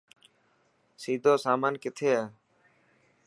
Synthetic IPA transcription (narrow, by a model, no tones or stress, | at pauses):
siːd̪ʱoːsaːmaːnkɪt̪ʰeː